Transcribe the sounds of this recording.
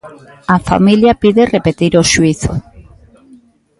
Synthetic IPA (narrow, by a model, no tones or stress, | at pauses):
ɐfa̰miljapiðerepet̪iɾoʃuiθo̰